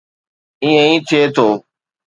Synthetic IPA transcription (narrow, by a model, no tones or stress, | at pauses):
ĩːə̃ĩːt̪ʰeːt̪ʰoː